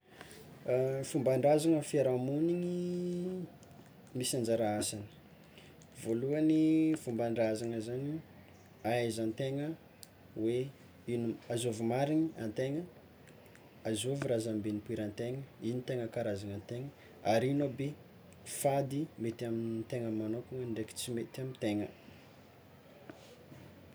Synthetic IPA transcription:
fumbaɳɖ͡ʐazaŋəfiaɾamuniŋi | misand͡ʒaɾaasanə̥ | voluanifumbaɳɖ͡ʐazaŋəzani | aazant̪eŋə | we | inuazovumaɾiɲia̰nt̪eŋə | azovuɾazambenipuiɾant̪eŋəinit̪eŋəkaɾazanant̪eŋə | aɾinobe | fad̪imet̪iamint̪eŋəmːanokuŋənɖ͡ʐeki̥t͡simet̪amint̪eŋə

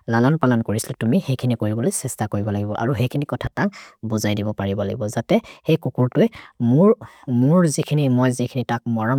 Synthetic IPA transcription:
lalɔnpalɔnkoɹisilatumixejkʰinikoɹibɔlojsɛstakoɹibɔlaɡibɔʔa̰ɹuxejkʰinikɔtʰataŋbuzajdibɔpaɹibɔla̰ɡibɔzatɛxejkukuɹtʊɛmuɹ | muɹzikʰinimɔjzikʰinitak̚mɔɹam

